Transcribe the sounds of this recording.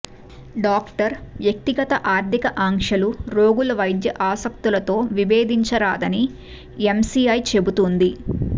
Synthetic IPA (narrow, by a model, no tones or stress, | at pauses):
ɖaːkʈɐɾʋjɐk̚t̪iɡɐt̪ɐʔaːɾd̪ʱikɐʔaːŋʂɐluɾo̞ːɡulɐʋɐjd̪jɐʔaːsɐk̚t̪ulɐt̪o̞ːʋibeːd̪iɲt͡ʃɐɾaːd̪ɐni | emsiɐjt͡ʃe̞but̪und̪i